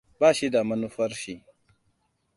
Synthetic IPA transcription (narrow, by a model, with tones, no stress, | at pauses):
baː˦˨ʃi˦da˨mɐ˦nu˦ɸɐ˦ɾʃi˦